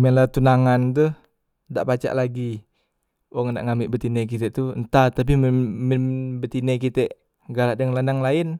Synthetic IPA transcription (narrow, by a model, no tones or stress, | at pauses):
mɛlat̪unaŋant̪uh | da̰ʔpat͡ʃa̰ʔlaɡi | waŋnda̰ʔŋamiʔbət̪inɛkit̪ɛʔt̪unt̪at̪ap̬imməmbət̪inɛk̬it̪ɛʔ | ɡalaʔdəŋlandaŋlaɪn